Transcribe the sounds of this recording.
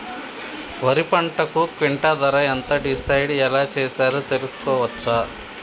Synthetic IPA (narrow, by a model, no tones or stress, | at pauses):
ʋɐɾipɐɳʈɐkukʋiɳʈad̪ɐɾɐɐnt̪ɐɖisɐjɖɛlaːt͡ʃeːsaːɾut̪e̞lusu̥kɔːʋɐt͡ʃːɐ